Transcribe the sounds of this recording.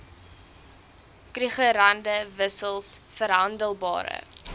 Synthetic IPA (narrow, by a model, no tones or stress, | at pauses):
kriχəɾɐndəvəsəlˠsfəɾɦɐndəlˠbɑ̰ːɾə̰